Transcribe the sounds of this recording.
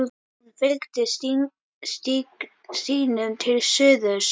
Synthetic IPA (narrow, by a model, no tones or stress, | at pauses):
ðfɪlkt̪ɪ | st̪i | st̪iːnʏmt̪ʰɪlsʏːðʏs